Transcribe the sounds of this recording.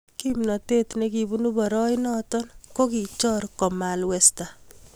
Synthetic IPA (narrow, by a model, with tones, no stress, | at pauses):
kimnɔ˨te˦tneki˨bu˦nu˦bɔ˨ɾɔ˦jnɔ˦tɔ˦nko˦ki˨t͡ʃɔ˦ɾkɔ˨ma˨lwɛsta